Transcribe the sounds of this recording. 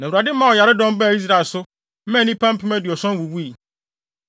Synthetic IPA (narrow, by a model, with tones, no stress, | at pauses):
nã˨u˨ɾa˨dɪ˦mã˦˨ɔ˨ja˨ɾɪ˦dɔ̃˦m˦bɛ˦˨i˦s̬ɾa˨lsʊ˦ | mɛ̃˦˨nĩ˦pʰã˦m̩˦pʰĩ˦mæ˦dɪ˨ɔ˨sɔ̃˦n˦wu˨wu˦i˨